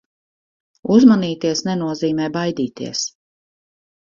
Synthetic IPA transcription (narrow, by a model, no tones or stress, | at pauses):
uzmaniːt̪iɛsnɛnuɔziːmɛːbajd̪iːt̪ḭɛs